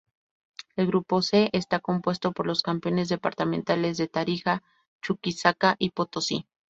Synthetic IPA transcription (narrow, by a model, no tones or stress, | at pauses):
elɣɾupo̞se̞ʔest̪ako̞mpwe̞st̪o̞po̞ɾlo̞skampjo̞ne̞zðe̞paɾt̪amẽ̞nt̪ale̞zðe̞t̪aɾixa | t͡ʃukisakaʔipot̪osḭ